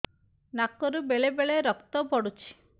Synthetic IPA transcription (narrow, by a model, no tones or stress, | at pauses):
nakɔɾubeɭebeɭeɾɔkt̪ɔbʱɔɽut͡ʃʰi̥